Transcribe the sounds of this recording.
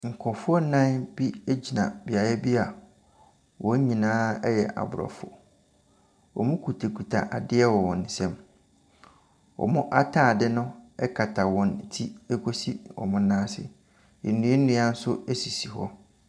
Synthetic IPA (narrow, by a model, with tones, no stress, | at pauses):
ŋ̩˨kʰɔ˨fʊ˦ɔ˦nã˦bi˦e˦d͡ʑi˨nã̰˨bɪ˨a˨ɾɛ˦bi˦a˨ | wɔ˨˦ɲĩ˨nãː˦ɛ˦jɛ˨ʔa̰˨bʊ˨ɾɔ̰˨fʊ̰˨ | ɔ̰˨mʊ̃˦kʰu˨tʰe˨kʰu˨tʰa̰˨ʔa˨dɪ˦ɛ˦wɔ˨wɔ̃˨n̩˨sɛ̃˦m | wɔ̰˨mʊ̃˦ʔa˦tʰã˦˨dɪ˦nʊ̃˦ɛ˦kʰa˨tʰa˨wɔ̃˨n̩˨tʰi˦e˦kʰo˦si˦wɔ̰˨mʊ̃˦nãː˦sɪ̰˦ | ɛ˨nũ˨˦e˦n̩˦nũ˦a˦n̩˦sʊ˦e˦si˨si˨ɦɔ˦